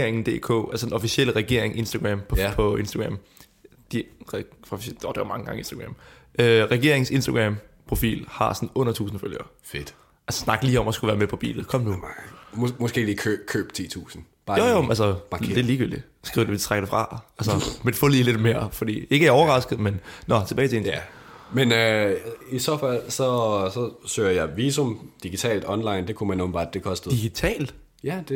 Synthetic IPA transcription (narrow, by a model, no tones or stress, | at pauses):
ɐ̰eŋn̩d̥e̝̰ːkʰɔ̰ːælsəd̥enɒ̽fisiel̰əʁɛɡ̥e̝̰ɐ̰eŋʔe̝nsd̥æɡ̥ʁæmʰpʰɒ̽e̝nsd̥ɐɡ̥ʁæm | d̥iʁɛfɒfd̥od̥eʋɐ̰mɑ̈ŋəɡ̥ɑ̈ŋie̝nsd̥ɐɡ̥ʁam | øʁɛɡ̥e̝ɐe̝ŋse̝nsd̥ɐɡ̥ʁɛmpʰʁo̝fḭːlhɑ̈sɒnɔ̽n̰ɐt͡sʰṵːsn̩føljɐ | fed̥ | ʔælssnɑ̈ɡ̥liːɒ̽m̰æsɡ̥uʋæːɐmepʰɒ̽b̥ḭːlð̩ˠkʰɒ̽m̰nu | mɔsɡ̥e̝̰ːlikʰø̥kʰø̰ːb̥̚t͡sʰḭːt͡sʰṵːsn̩ | b̥ɑ̈ːjojoʔælsɐmɑ̈d̥eliːɡ̥yl̰d̥i | sɡ̥o̰d̥eit͡sʰʁaɡ̥dəfʁɑ̈ælsɐmenfɔ̰liːle̝d̥me̝ːɐ̰fɒ̽d̥ḭːe̝ɡəæɐɒʊɐʁɑ̈sɡ̥ð̩ˠmennɒ̽t͡sʰe̝b̥ɛːɪt͡sʰeen | menøisɒfæl̰sɒ̽sɒ̽søːɐjɑ̈ɪʋiːsomd̥iɡ̥it͡sʰɛ̰ːld̥ɒ̽nlɑ̈ɪnd̥e̝kʰumænːonbɑ̰̈d̥e̝kʰɒ̽sd̥ðd̥iɡ̥it͡sʰɛ̰ːld̥ | jæd̥e